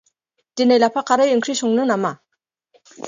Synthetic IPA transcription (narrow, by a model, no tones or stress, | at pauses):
t̪enelapʰaqaɾajəŋkʰriɕoŋnənama